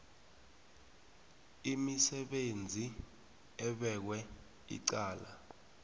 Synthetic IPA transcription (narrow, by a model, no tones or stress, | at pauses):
imisɛɓend͡zʱi | ɛɓɛk̬wɛ | ḭǀaːla